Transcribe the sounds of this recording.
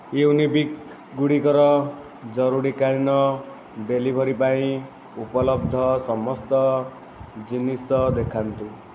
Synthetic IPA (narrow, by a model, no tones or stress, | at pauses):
ewnibik | ɡuɽikɔɾɔ | d͡ʒɔɾuɾikaɾinɔ | ɖelibʱʌɾipaĩ | upɔlɔb̚d̪ʱɔsɔmɔst̪ɔ | d͡ʒinisɔd̪ekʰant̪u